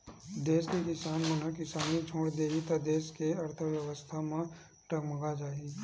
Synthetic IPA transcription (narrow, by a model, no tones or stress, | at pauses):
d̪eːskekɪsaːnmənəkɪsaːnid͡ʒʰʱoːɽd̪eːit̪ɐd̪eːskeɐɾt̪ʰəʋjɐʋəst̪ʰamẽ | ʈəkmə̃ɡad͡ʒaːi